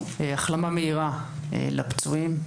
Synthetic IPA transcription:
eaχlamameiʁaḛla̰pt͡suim

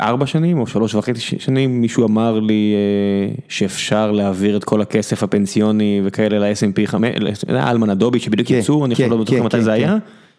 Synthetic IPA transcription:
ʔa̰ʁbaʃanimo̞ʃalo̞ʃvaχet͡siʃʃanimːiʃuamaʁlieʃeːfʃaʁleaviʁet̪kʰo̞lakesefhapensijo̞nivekʰaelelaesempiχameesjo̰d̪ḛa̰ʔalmanad̪obiʃebid̪ijukjit͡suanialodmit̪oχemat̪ajzeaja

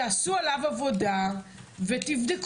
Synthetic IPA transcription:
asualavavo̞davet̪ivd̪ek

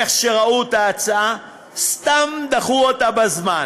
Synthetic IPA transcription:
eχʃeʁaut̪aːt͡saa | st̪amd̪aχuotabazman

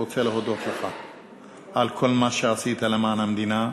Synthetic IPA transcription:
ot͡seleɦod̪ot̪laxa | ʕalkʰolːmaʃaʕsiːt̪alemaʕnamd̪iːna

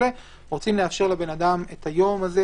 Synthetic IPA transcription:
e | ʁot͡simleafʃe̞ʁlabe̞nadamet̪ʰajo̞maze

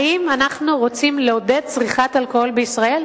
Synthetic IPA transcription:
imanaχnuʁo̞t͡simleoded̚t͡sʁiχatalkoolbeisʁae̞l

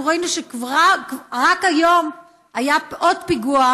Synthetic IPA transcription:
ʁoinuʃekvaʁakajo̞m | ajapʔodpiɡua

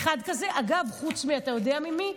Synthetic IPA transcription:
χad̪kaze̞ʔaɡavχut͡smiat̪ajo̞d̪eamimi

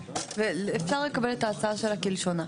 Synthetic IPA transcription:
velefsaʁlekabelet̪aːt͡saʃaɾakilʃona

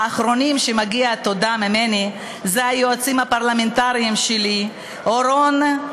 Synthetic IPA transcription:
aχɾo̞nimʃemaɡiat̪od̪amimeni | zeajoat͡simhapaʁlament̪aɾiimʃeli | oɾon

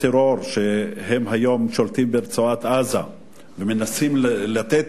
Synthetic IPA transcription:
t̪eɾo̞ɾʃeɦemɦajo̞mʃolt̪imbeɾt͡soat̪aza | vemenasimlat̪et̪

